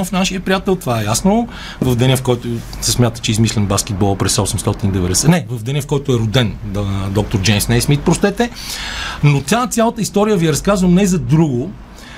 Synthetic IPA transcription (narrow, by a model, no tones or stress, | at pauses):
mfnaʃijəpɾijat̪ɛlˠt̪ovaɛjasno | vɐvd̪ɛnʲəfkɔjt̪o | sɛsmʲjat̪ə̥t͡ʃɛizmislʲɛnbaskʲɛd̪̚bɔlˠəpɾɛsɔsɛmst̪ɔt̪inid̪ɛvɛd̪ɛsɛnɛvɐvd̪ɛnʲəfkɔjt̪ʊɛɾʊd̪ɛnd̪ɔk̚t̪oɾd͡ʒɛmsnɛjsmit̪̚pɾost̪ɛt̪ɛ | not̪ʲjat̪sjalˠət̪əist̪ɔɾijəviɛɾɐskazvəmnɛzɐd̪ɾuɡʊ